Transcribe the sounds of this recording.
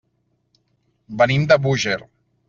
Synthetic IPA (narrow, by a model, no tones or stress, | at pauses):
bənimd̪əβuʒeɾ